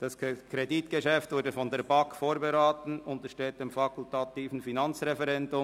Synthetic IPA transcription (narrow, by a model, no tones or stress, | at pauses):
d̥ɑskʰɾeditɡ̥əʃɛftvʊːɐɾdəfɔndeːɾbɑkfoːɾbeɾaːtn̩ʊntəʃteːt̚d̥emfɑkʰʊltɑt̪iːfn̩finɑnt͡sʁɛfɛɾɛndʊ